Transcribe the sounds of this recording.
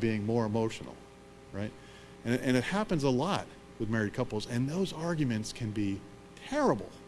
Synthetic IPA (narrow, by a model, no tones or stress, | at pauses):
biɪ̃ŋmɔɹɨmoʊʃn̩l̩ˠ | ɹaɪt̚ | ɨ̃nɨ̃nɨt̚hæpɨ̃nzəlɔt̚ | wɨðmɛɹikʰʌpl̩ˠzɨ̃nðoʊzɑɹɡjmɨ̃ntskʰɨ̃nbi | tʰɛɹəbl̩ˠ